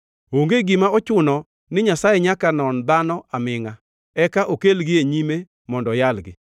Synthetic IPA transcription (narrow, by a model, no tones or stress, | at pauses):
oŋɡeɡɪmaɔt͡ʃʊnɔ | nɪɲasajɛɲakanɔnd̪anɔamɪŋa | ɛkaʔokelɡɪeɲime | mɔndɔjalɡɪ̰